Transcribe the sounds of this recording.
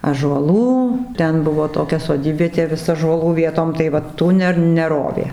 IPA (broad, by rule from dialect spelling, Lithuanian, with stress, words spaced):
ɑːʒuɔˈlˠuː ˈtʲɛn ˈbʊʋoː toːˈkʲɛ soːˈdʲiːbʲʋʲiɛtʲeː ˈʋʲɪs ɑːʒuɔˈlˠuː ˈʋʲiɛtoːm tɐɪ ˈʋɐ ˈtuː nʲɛ nʲɛˈroːʋʲeː